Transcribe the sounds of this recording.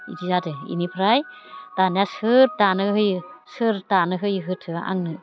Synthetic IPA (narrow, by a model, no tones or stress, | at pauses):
ḭdizadɯḭnipʰɾaj | tanjasɯɾtanɯɦɯjsɯɾtanɯɦɯjɦɯtʰɯa̰ŋnɯ